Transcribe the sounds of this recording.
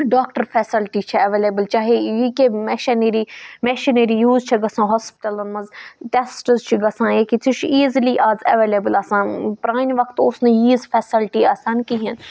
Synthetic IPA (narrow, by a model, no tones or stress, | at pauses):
ɖaːkʈəɾfʰɛːsɪlʈit͡ʃʰɐɐʋeːleːbəlt͡ʃaːɦejikemɛʃɐneɾimeʃineɾijuːzt͡ʃʰɐɡɐsãːɦoːspɪ̥ʈɐlɐnmɐzʈesʈəzt͡ʃʰiɡɐsãːeːkit͡s̪ʰit͡ʃʰiːzliʔaːzɐ̰ʋeːleːbəlasãːnpɾaːnʋɐkt̪osnẽjiːzfʰɛːsɪlʈiaːsaːnkiɦin